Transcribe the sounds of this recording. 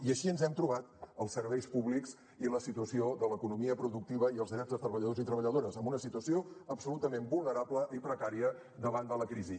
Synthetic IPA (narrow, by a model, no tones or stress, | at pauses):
iəʃiənzɛmt̪ɾuβ̞at̪əlˠsːəɾβɛjspuβlikz | iləsit̪uəsiod̪ələkunumiəpɾuðuk̚t̪iβ̞əiəlˠzðɾɛzðət̪ɾəβəʎəðozit̪ɾəβəʎəðoɾəzəmbunəsit̪uəsioəpsulut̪əmembulˠnəɾapləʔipɾəkaɾiə | d̪əβand̪ələkɾizi